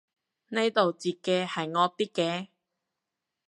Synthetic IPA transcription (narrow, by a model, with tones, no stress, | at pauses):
ne˥jt̪o˨wt͡siː˨kːɛː˧hɐ˨jŋɔː˧k̚t̪iː˥kːɛː˨˧